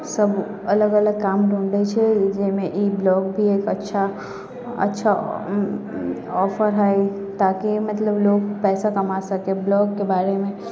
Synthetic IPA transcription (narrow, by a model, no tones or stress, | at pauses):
sɐb | ɐləɡələɡ̚kaːmɖʱõːɳɾət͡ʃʰed͡ʒeːmẽʔiblɔːɡbʱieːkɐtːʃʰa | ɐ̰tːʃʰa | ɔːfʰəɾɦɛe | t̪aːkimɐt̪ləbloːɡpɛːsakɐmasɐkeblɔːɡkːebaːɾemẽ